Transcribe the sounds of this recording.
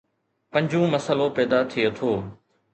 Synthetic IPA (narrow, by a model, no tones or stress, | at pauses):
pɐ̃ɲd͡ʑũːmɐsəlopɛːd̪at̪ʰiet̪ʰoː